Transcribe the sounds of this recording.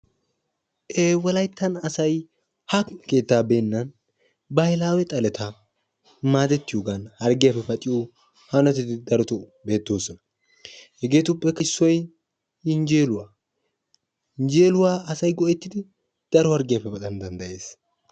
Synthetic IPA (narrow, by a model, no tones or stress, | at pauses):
ʔeːwɔlɐjt̪ːɐnɐsɐj | hɐke̞ːt̪ːaːbeːnːɐn | bɐjɪlaːwɛt̪ʼɐlɛt̪ɐ | maːd̪ɛt̪ːɪjoːɡɐnhɐɾɡɪjɐpːɛfɐt͡ʃʼɪo | hɐnɔt̪ɪt̪ɪd̪ɐɾɔt̪ɔbe̞ːt̪ːoːsɔnɐ | hɛɡe̞ːt̪ʊpʼːɛkːɐɪsːɔj | ɪnd͡ʒe̞ːlʊwaː | ɪnd͡ʒeːlʊwaːɐsɐjɡɔʔɛt̪ːɪd̪ɪ | d̪̥ɐɾɔhɐɾɡɪjɐfːɛfɐt̪ɐnd̪ɐnd̪ɐʔe̞ːs